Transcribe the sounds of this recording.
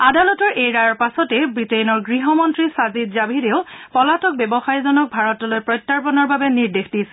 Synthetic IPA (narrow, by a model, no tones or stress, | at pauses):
adalɔtɔɹʔejɹajɔɹpasɔtɛbɹitejnɔɹɡɹiɦɔmɔntɹisazidzabʱideʊpɔlatɔk̚bɛbɔxajzɔnɔk̚bʱaɹɔtɔlojpɹɔjtːaɹpɔnɔɹbabɛniɹdexdisɛ